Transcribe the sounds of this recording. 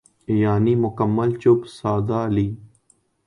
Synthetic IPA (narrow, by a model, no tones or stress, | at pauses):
jaːniːmʊkəmːəlt͡ʃʊbsaːd̪aːliː